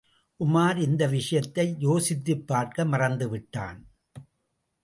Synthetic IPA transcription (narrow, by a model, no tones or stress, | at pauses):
ʔʊmaːɾɪnd̪ɐʋɪʂɐjɐt̪ːɐɪjoːsɪt̪ːɯpːaːɾkɐmɐrɐnd̪ɯʋɪʈːa̰ːn